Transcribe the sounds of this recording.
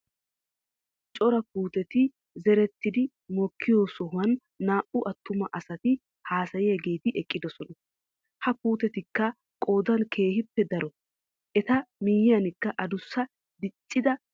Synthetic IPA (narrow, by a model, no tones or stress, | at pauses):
t͡ʃʼɔɾɐpuːt̪ɛt̪ɪ | zɛɾɛt̪ːɪd̪ɪ | mɔkʰːɪjoːsɔɦʊwɐnː | aːʔʊʔɐt̪ːʊmɐʔɐsɐt̪ɪ | haːsɐjɛɛɡe̞ːt̪ɪʔɛkʼːɪd̪ɔsɔnɐ | hɐpuːt̪ɛt̪ɪkːɐ | kʼo̞ːd̪ɐnkʰe̞ːhɪpːɛd̪ɐɾɔ | ʔɛt̪ɐmɪjɪjɐnɪkːɐʔɐd̪ʊsːɐ | d̪ɪt͡ʃʼːɪd̪ɐ